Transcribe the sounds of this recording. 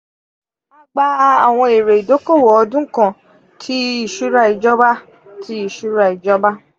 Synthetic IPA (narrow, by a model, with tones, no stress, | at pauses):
a˦ɡ͡ba˦a˨w̃ɔ̃˧e˨ɾe˨i˨do˨˦ko˦˨wɔ˨˦ɔ˧dũ˦kã˦˨ | tʰi˦i˦˨ʃu˦ɾa˧i˨d͡ʒɔ˦ba˦ | tʰi˨˦i˨ʃu˦ɾa˧i˨d͡ʒɔ˦ba˦